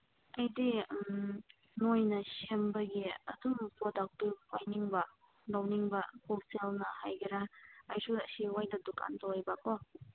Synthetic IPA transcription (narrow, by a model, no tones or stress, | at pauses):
ɐjdim | nojnɐsembɐɡiɐ̰dumpodak̚tupʰajniŋbɐ | lawniŋbɐpʰoselnɐhajɡʰiɾaɐjsudɐsiwajdɐduka̰ntawajbako